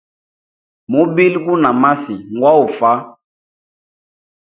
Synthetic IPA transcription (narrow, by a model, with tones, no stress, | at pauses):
mu˨˦bi˦lku˦na˨ma˦si˨ŋɡwa˦u˨fa˦